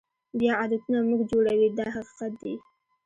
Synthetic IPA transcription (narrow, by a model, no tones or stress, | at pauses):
bjɑad̪at̪unamuɡd͡ʒoɽawid̪ɑɦaqi̥qat̪̚d̪i